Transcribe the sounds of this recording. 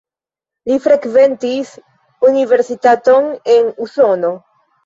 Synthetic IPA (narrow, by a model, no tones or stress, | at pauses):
lifɾekve̞ntis | unive̞ɾsitato̞ne̞nuso̞no̞